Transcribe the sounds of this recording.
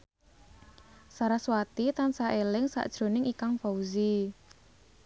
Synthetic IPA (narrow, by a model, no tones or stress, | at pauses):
saɾaswat̪it̪ansaʔelɪŋsa̰ʔd̥ʒ̥ɾo̤nɪŋikaŋfauzi